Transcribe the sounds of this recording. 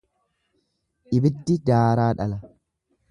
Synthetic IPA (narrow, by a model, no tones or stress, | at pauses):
ʔɪbɪd̪ːɪd̪aːɾaːᶑɐlɐ